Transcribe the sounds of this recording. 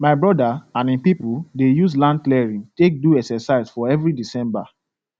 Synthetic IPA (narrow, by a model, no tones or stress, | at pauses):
maɪbɹɔdaãnĩpipudejuslãndlɛɹĩntek̚duɛksɛsaɪsfɔɛvɹidisɛ̃mba